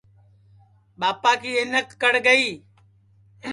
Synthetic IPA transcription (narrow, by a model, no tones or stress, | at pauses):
ɓaːpaːkiːɪnəkːəɽɡəiː